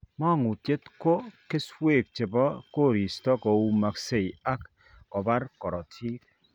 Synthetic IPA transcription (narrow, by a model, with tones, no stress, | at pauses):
mɔ˦˨ŋu˨tje˦tko˦ke˦swe˦˨k̚t͡ʃe˨bɔ˦ko˦˨ɾi˨stɔ˦kɔ˨u˦ma˨kse˦˨i˨a˦k | kɔ˨ba˦ɾkɔ˨ɾɔ˨tʰiː˦k̚